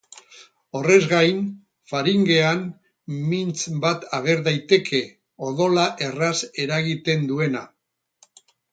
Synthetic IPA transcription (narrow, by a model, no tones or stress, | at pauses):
o̞re̞zɣajn | faɾiŋɡe̞an | mint͡sbat̪aɣ̞e̞ɾðajt̪e̞kʰe̞ | o̞ðo̞laʔe̞rase̞ɾaɣit̪e̞nd̪ue̞na